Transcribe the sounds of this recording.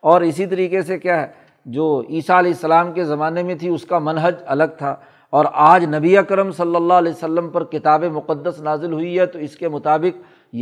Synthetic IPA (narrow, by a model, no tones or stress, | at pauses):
ɔːɾɪsit̪ɐɾiːqesekjaɦɛ | d͡ʒoːiːsaɐlɛːɪsːɐlaːmkezɐmaːnemẽt̪ʰiʊskamɐnɦəd͡ʒɐləɡ̚t̪ʰaː | ɔːɾaːd͡ʒnɐbiakəɾəmsɐlːəlːaɦɐlɛːsəlːəmpɐɾkɪt̪aːbemʊqəd̪ːəsnaːzɪlɦʊiɦɛt̪oɪskemʊt̪aːbɪq̚ | j